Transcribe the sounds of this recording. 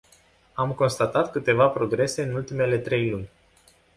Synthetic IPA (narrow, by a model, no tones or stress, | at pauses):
amko̞nst̪at̪at̪kɨt̪e̞vapɾo̞ɡɾe̞se̞ɨnult̪ime̞le̞t̪ɾe̞jlunʲ